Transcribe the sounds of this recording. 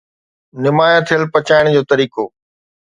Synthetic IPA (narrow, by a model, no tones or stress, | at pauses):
nɪmaːjə̃t̪ʰijəlpɐt͡ɕaːɪɽ̃d͡ʑoːt̪ɐɾiːkoː